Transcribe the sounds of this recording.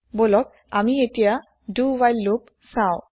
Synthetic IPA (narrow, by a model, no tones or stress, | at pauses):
bolɔk̚ | amietija | duwajlːup | saw